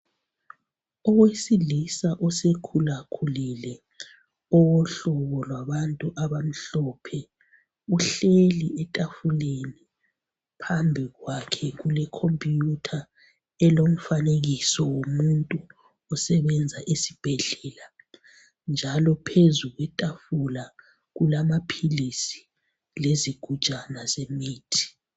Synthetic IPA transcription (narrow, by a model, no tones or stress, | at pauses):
ɔwesilisaʔɔsekʰulakʰulilɛ | ɔwɔɬɔβɔlwaβantʼuʔaβam̩ɬɔpʰɛ | uɬeliʔɛtʼafuleni | pʰambʱiɣwakʰɛɣulɛkʰɔmpʼjutʰa | ɛlom̩faneɣisɔwomuntʼu | ɔsɛβɛnd͡zʱaʔisi̥b̥ʱɛɮɛːla | nd͡ʒʱalɔpʰezuɣwɛtʼafula | ɣulamapʰilisi̥ | leziɡ̥ʱu̥t͡ʃʼanazemiːtʰi̥